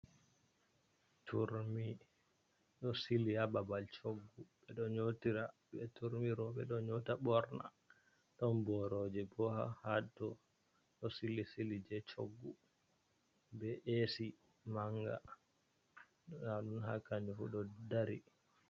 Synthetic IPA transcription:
tʰuɾmi | ɗɔsilːihababalt͡ʃoɡːuɓ̥ɛɗɔɲotiɾa | ɓɛtuɾmiɾɔɓɛɗɔɲɔtaɓɔɾna̰ | ɗɔnbɔɾɔd͡ʒɛbɔha̰hadɔ | ɗɔsilːisilid͡ʒɛt͡ʃo̰ɡːu | bɛʔesi | maŋɡa̰ | naɗunha̰kːaɲd͡ʒufṵɗɔdaɾi

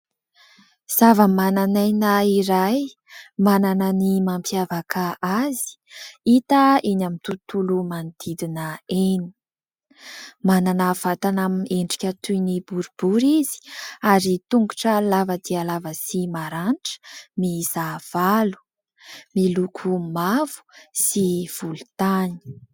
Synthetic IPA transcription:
z̥avəmananajnaiɾaj | mananənimampʰjavakʰaazi̥ | it̪əenamint̪ut̪ulumand̪̥id̪inəeni̥ | mananav̥at̪anamieɳɖ͡ʐi̥kʲət̪ujnibuɾub̥uɾizi̥aɾit̪uŋɡu̥ʈ͡ʂəlavəd̪ialavəsimaɾanʈ͡ʂə̥mizav̥alu̥ | milukʰumavu̥siv̥ulut̪ani̥

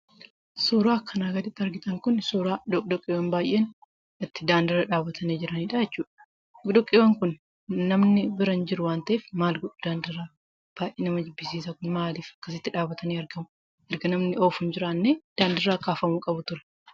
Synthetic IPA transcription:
suːɾaːkʰːɐnaːɡɐd̪ɪt̪ːɐɾɡɪt̪ʼɐŋkʊnsuːɾaːd̪ɔd̪ɔkʼːiːwɐnbaːjʔeːn | ɪt̪ːɪd̪aːnd̪ɪrːɐᶑaːbːɐt̪ʰɐniːd͡ʒɪɾɐniːᶑajɛt͡ʃːuːᶑɐ̥ | ɡd̪ɔkʼːiːwɐŋkʊnː | ɐmnɪbɪɾɐnd͡ʒɪɾʊwaːnt̪ɐʔeːfmaːlɡʊᶑʊd̪̥aːnd̪ɪrːaː | b̥aːjʔeːnɐmɐd̪ʊbːɪsiːsɐkʊnmaːliːfɐ̥kːɐs̬ɪt̪ːɪᶑaːbːɐt̪ʰɐniːɐɾɡɐmʊ | ʔɛɾɡɐnɐmnɪo̞ːfʊnd͡ʒɪɾaːnːeːd̪̥aːnd̪ɪrːaːkːaːfɐmuːkʼɐbʊt̪ʊɾɛ̥

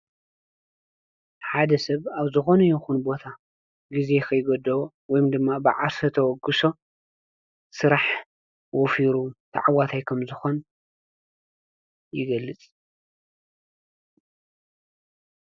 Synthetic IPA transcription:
ħad̪ɐsɐβaβzɨxo̞nɐjɛxunbo̞t̪ʰa | ɡize̞kʰɐjɡɐd̪ɐ | wɔjimd̪ɨmːabɨʕaɾsɐt̪ʰɐwɔɡɨso̞ | sɨɾaħ | wɔfiɾut̪ʰa̰ʕawat̪ʰajkʰɐmzɨxon | jɪɡɐlːɨt͡sʼ

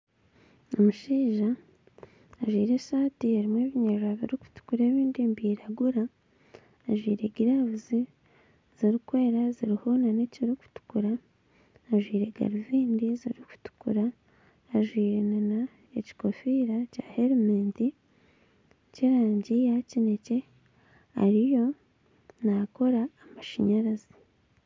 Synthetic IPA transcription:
omuʃiːʒaː | ʒwiːɾe̞saːtiaɾimweːβiɲeʒaβiɾiku̥tu̥kuɾe̞ːβiːndimbiːɾaɡuɾaː | ʒwiːɾe̞ɡiɾaβuzi | z̥iɾikwe̞ːɾaziɾihonaneciɾiku̥tu̥kuɾaː | ʒwiːɾe̞ɡa̰ɾiziːndiziɾiku̥tu̥kṵɾaː | ʒwiːɾenana | eci̥ko̞fiːɾacaːheɾimeːnti | ceɾaːɲɟijacine̞ce̞ | a̰ɾijo̞ | nako̞ɾaːmaʃiɲaɾazi̥

